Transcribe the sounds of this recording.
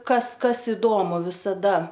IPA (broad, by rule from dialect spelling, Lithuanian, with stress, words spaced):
ˈkɐs ˈkɐs ɪˈdoːmʊ ʋʲɪsɐˈdɐ